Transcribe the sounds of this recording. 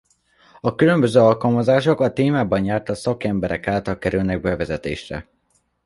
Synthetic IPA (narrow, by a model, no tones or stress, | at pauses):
ɒkylø̞mbø̞zøːɒlkɒlmɒzaːʃo̞kɒt̪eːmaːbɒnjaːrt̪ɒsɒkɛmbɛɾɛ̰kaːlt̪ɒlkɛɾylnɛɡ̚bɛvɛzɛt̪ḛːʃrɛ̰